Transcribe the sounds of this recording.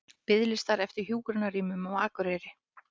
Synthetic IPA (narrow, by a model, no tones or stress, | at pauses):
pɪðlɪst̪aɾɛft̪ɪɾ̥çjuːkɾanaɾiːmʏmɔɣaːkʏɾejɾɪ